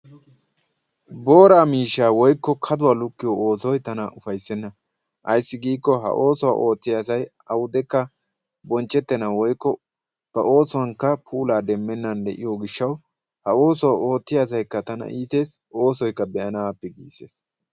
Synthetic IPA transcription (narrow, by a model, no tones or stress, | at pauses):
bo̞ːɾaːmiːʃːaːwɔjkːɔkʰɐd̪ʊwaːlʊkːɪjooːsɔjt̪ɐnɐʔʊfɐjsːɛnːɐ | ʔɐjsːɪɡiːkːɔɦɐ̰ʔo̞ːsɔwa̰ʔo̞ːt̪ːɪjasɐj | ɐwʊd̪ɛkːɐ | bɔnt͡ʃʼːɛt̪ːɛnawɔjkːɔ | b̥ɐʔo̞ːsɔwɐŋkːɐpʰuːlaːd̪ɛmːɛnːɐnd̪ɛ̰ʔɪ̰joɡɪʃːɐw | hɐo̞ːsɔwao̞ːt̪ːɪjas̬ɐjkːɐt̪ɐnɐ̰ʔiːt̪e̞ːs | o̞ːsɔjkːɐbɛɐnaːpːɛɡḭːse̞̰ːs